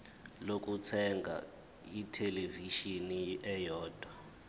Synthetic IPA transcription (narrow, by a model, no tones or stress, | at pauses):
lok̬ʼut͡sʰɛŋɡʱa̰ | itʰɛleviʃiniɛjɔːd̥ʱwa